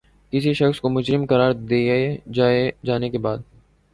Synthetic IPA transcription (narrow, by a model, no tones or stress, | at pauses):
kɪsiʃɐxskomʊd͡ʒɾɪmkɐɾaːɾd̪eːed͡ʒaːed͡ʒaːnekebaːd̪̚